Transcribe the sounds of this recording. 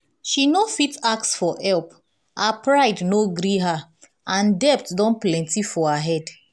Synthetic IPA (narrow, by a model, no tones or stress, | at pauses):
ʃinofitaksfɔɛlp | hapɹaɪdnoɡɾiɦa | ʔãndɛp̚tdɔ̃nplɛ̃ntifɔaɦɛd